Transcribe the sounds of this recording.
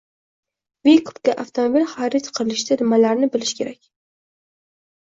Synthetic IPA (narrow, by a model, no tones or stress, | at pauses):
vikʰʊ̥pk̪ʲaʔaft̪ʰomobilχɑɾɪt̪qʰɨɾɪlɪʃt̪ad̪ɪmːalaɾnɪbɪlɪʃkʲʰe̞ɾakʲ